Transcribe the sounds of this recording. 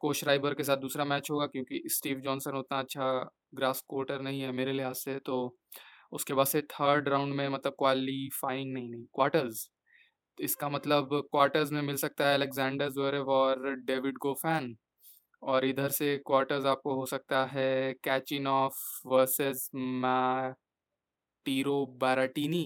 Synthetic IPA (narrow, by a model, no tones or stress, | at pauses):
koːʃɾaːɪbəɾkes̬aːt̪̚d̪uːsɾamɛːt͡ʃɦoːɡakjõːkisʈiːʋd͡ʒɔːnsə̃noʊt̪naɐtːʃʰa | ɡɾaːskwɔːɾʈəɾnɐɦĩɦɛmeːɾelɪɦaːz̥set̪o | ʊskebaːd̪set̪ʰəːɾɖɾãːʊ̃ɳɖmẽmɐt̪ləb̚kwaːllifaːɪɪ̃ŋɡnɐɦĩnɐɦĩkwaːɾʈəɾz | ɪskamɐt̪ləbkwaːɾʈəɾzmẽmɪlsɐk̚t̪aɦɛɐlekzɛ̃ːɳɖəɾzoːɾeɔːɾɖeːʋɪɖɡoːfɛːn | ɔːɾɪd̪ʱəɾsekwaːɾʈəɾzaːp̚koɦosɐk̚t̪aɦɛkɛːt͡ʃɪnɔːfʋəɾsɪzmɛ | ʈiːɾobaːɾaʈiːni